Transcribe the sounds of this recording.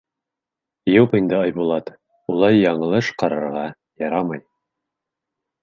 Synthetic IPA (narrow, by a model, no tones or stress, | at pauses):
jopind̪ɤɑjbulˠɑt̪ | ulˠɑjːɑɴɤ̆lˠɤʃqɑɾɤ̰̆ɾʁɑ | jɑɾɑmɑj